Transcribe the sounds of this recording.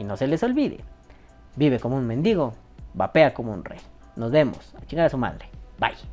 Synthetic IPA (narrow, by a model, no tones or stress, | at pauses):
inoselesolβiðḛ | biβekomounmend̪iɣo | bapeakomoṵnrḛj | nozd̪emo̰sat͡ʃiŋɡaɾasuma̰lle̥ba̰j